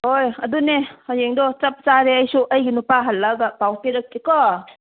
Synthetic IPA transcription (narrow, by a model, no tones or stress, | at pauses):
hojɐdunehɔjeŋdɔt͡ʃɐp̚t͡ʃaɾeəjsuʔɐjɡinupaɦɐlːɐɡapawpiɾɐk̚ːekɔ